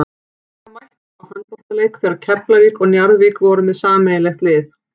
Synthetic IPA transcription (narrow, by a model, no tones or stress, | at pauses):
vajht̪ | awhankɔr̥t̪aleːjkθɛːɾaðcʰɛr̥plaviːkɔɣnjaɾðvikvɔɾʏmɛðsaːmɛjlɛxt̪lɪːθ